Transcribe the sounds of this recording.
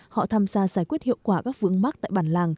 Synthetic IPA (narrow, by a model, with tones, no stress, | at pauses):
hɔ̰˧˨t̪ʰaː˧mzaː˧zaː˧˩jkwi˦˥t̚hḭ˧˨əwkwaː˧˩kaː˦˥k̚vɨ˧əŋma˦˥k̚t̪a̰ː˧˨jɓaː˧˩nlaː˧˩ŋ